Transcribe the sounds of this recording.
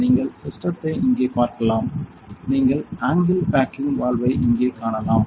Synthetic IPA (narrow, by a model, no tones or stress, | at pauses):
niːŋɡɐɭsɪsʈɾɐt̪ːɐɪɪŋɡeːpaːɾkɐlaːm | niːŋɡɐɭaːŋɡɪlpaːkɪnʋaːlʋɐɪʔɪŋɡeːkaːɳɐlaːm